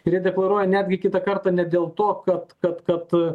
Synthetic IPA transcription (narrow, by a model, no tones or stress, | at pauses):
ɪɾjiɛd̪ʲɛklˠɐɾuɔjɛnʲæːd̪ʲɡʲɪkʲɪt̪ɐkɐrt̪ɑːnʲɛd̪ʲeːlˠt̪oːkɐt̪kɐt̪kɐt̪